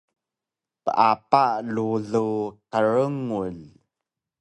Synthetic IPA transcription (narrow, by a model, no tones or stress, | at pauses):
pəʔapaluɮuqəɻəŋul